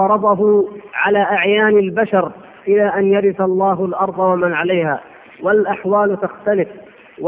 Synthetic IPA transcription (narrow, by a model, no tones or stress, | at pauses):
ɑɾˤɑd̪ˤɑɦʊʕalaːʔaʕjaːnalbaʃɑɾ | ʔɪlaːʔanjaɾɪθalˤːɑːɦʊlʔɑɾˤd̪ˤɑwamanʕalajhaː | walʔaħwaːlt̪axt̪alɪf | w